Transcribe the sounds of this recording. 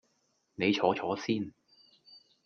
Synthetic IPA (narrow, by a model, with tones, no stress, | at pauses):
ne˨˧jt͡ʃʰɔː˨˥t͡ʃʰɔː˨˥siː˥˩n